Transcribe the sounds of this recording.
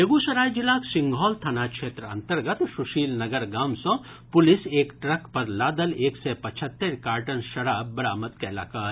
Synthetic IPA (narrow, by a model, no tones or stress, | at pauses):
eɡusɐɾaːjd͡ʒilaːksĩŋɡʱɦɔːlt̪ʰaːnakt͡ʃʰeːt̪ɾɐ̰̃nt̪əɾɡət̪suʃiːlnəɡəɾɡaːmsə̃ | pʊliseːkʈɾəkpəɾlaːd̪əleːksepət͡ʃʰət̪ːeɾkaːɾʈənʃɐɾaːbbɐɾaːmət̪kɛla̰ːkaː